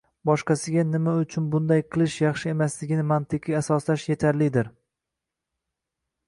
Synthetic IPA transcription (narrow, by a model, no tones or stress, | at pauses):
bɒʃqɑsɪɡʲanɪmaʊt͡ʃʰʊnbʊnd̪ajqʰɨlˠɪʃjɑχʃɪe̞maslɪɡʲɪnɪmant̪ʰɪqʰiasɒslaʃje̞t̪ʰaɾlɪd̪ɪɾ